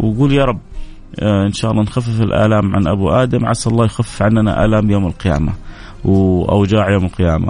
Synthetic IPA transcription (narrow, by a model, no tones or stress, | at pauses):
wɡuːljaɾˤɑbː | ʔɪnʃaːʔɑlˤːɑnxafːɪfɪlʔa̰ːlaːmʕa̰nʔa̰buʔaːd̪amʕasʔɑlˤːɑːjxafːɪfʕanana̰ʔa̰ːlaːmjoːmɪlqɪja̰ːma | wʔa̰wd͡ʒaːʕjoːmɪlqɪjaːma̰